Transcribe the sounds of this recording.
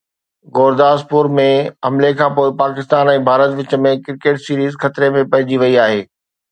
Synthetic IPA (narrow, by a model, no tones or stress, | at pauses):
ɡoːɾd̪aːspʊɾmẽɐmlekʰãːpoːɪpaːkɪst̪aːnɛ̃ːbʱaːɾət̪ʋɪt͡ɕə̆mẽkɪɾkeːʈsiːɾiːzxɐt̪ɾemẽpɐɦɪ̃d͡ʑiʋɐiaːɦeː